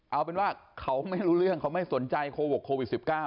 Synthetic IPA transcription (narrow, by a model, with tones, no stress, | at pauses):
ʔa˧˩wp̬e˧nwaː˥˩kʰa˦˥wma˥˩jɾuː˦˥ɾɯ˥˩əŋkʰa˦˥wma˥˩jsu˩˦nt͡ɕa˧jkʰoː˧wkʰːoː˧wi˨˩si˨˩p̚kaː˥˩